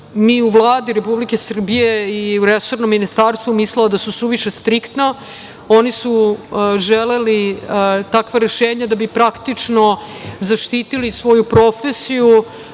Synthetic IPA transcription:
niuvlˠaːd̪iɾepublikesr̩bije̞iuɾeso̞ɾnomːinist̪aːɾst̪vʋumisleod̪asusuʋiʃe̞st̪ɾikt̪na | o̞nisuʒelelit̪akʋaɾe̞ʃeːɲad̪abipɾakt̪it͡ʂno̞zaʃt̪iːt̪ilisʋo̞jupɾo̞fesiju

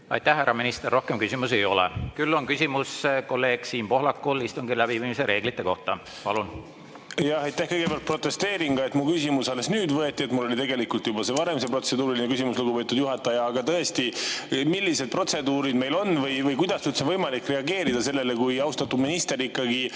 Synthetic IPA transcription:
ɑ̰jt̪æhhæɾɑminist̪erːo̞hkemkysʲimuse̞jo̞lḛkylːo̞nkysʲimusko̞lːe̞ːɡ̥siːmpo̞ɦlɑkːˑulist̪uŋɡilæbiviːmise̞ɾʔe̞ːɡ̥lit̪ˑːe̞ko̞̰ht̪ɑ | pɑ̰lun | jɑhɑjt̪ːæhkɤjɡ̥ebjɑlt̪̚pro̞t̪ːˑe̞st̪e̞ːɾiŋɡ̥ɑe̞t̪mukysimusɑlesnyːd̪vɤe̞t̪ːˑiet̪mulːo̞lʲit̪e̞ɡe̞likult̪jubɑsevɑɾe̞mse̞pro̞t̪se̞d̪uːɾilinekysimusluɡupe̞ːt̪ːud̪̥juɦɑt̪ːˑɑjɑːɡɑt̪ɤest̪imilːise̞d̪̥̚pro̞t̪se̞d̪uːɾid̪me̞jlo̞nvɤjvɤjkujd̪̥ɑst̪yt̪senvɤjmɑlikːˑre̞ɑɡe̞ːɾid̪̥ɑse̞lːe̞lekujɑwst̪ɑt̪ːud̪minist̪e̞ɾikːˑɑɡi

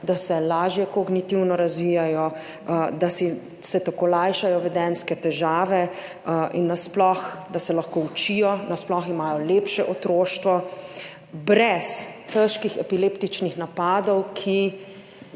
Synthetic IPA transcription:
d̪asɛlaːʒjɛkoɡnit̪iwnɔɾazʋiːjajɔ | d̪asi | sɛt̪akoːlajʃajɔʋɛd̪ɛnskɛt̪ɛʒaːʋɛ | ʔinːasplɔxd̪asɛlɐxkout͡ʃijɔnasplɔximaːjɔleːpʃɛʔɔt̪ɾoːʃt̪ʋɔ | bɾɛst̪əʃkixɛpileːpt̪it͡ʃnixnapaːd̪ɔwkʰi

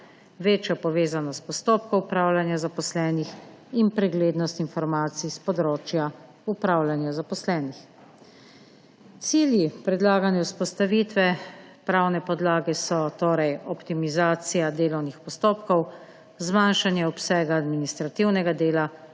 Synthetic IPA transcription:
ʋeːt͡ʃjɔpɔʋeːzanɔst̪pɔst̪oːp̚kɔwupɾaːwlanjazapɔslɛːnix | inpɾɛɡleːd̪nɔst̪infɔɾmaːt̪siispɔd̪ɾoːt͡ʃja | upɾaːwlanjazapɔslɛːnix | t̪siːljipɾɛd̪laːɡanjɛuspɔst̪aʋiːt̪ʋɛpɾawnɛpɔd̪laːɡɛsɔt̪oːɾɛjɔpt̪imizaːt̪sijad̪eːlɔwnixpɔst̪oːpkɔw | zmanʃanjɛɔpsɛːɡaːd̪minist̪ɾat̪iwnɛɡad̪eːla

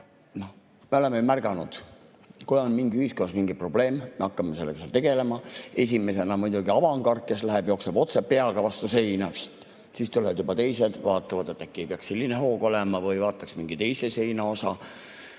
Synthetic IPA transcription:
no̞h | meo̞le̞meumærɡ̥ɑnṵd̪̥ | kujonmiŋɡiyhiskonːɑsmiŋɡipro̞b̥le̞ːmmeɑkːɑmese̞lːeɡɑ̥seɑ̰lt̪e̞ɡe̞le̞mɑe̞s̬ʲime̞se̞nɑmujd̪̥uɡiɑvɑŋɡɑrt̚kːe̞slæɦeb̥jo̞kseb̥o̞t̪sepːe̞ɑɡ̥ɑvɑst̪use̞jnɑst̪ | sist̪uled̪jubɑt̪e̞jse̞d̪̥vɑːt̪ːˑɑvɑd̪e̞t̪ːˑækːiejpeɑkselʲːineɦo̞ːɡ̥o̞lɛmɑvɯjvɑːt̪ːˑɑksmiŋɡ̥it̪e̞jse̞se̞jnɑo̞sɑ

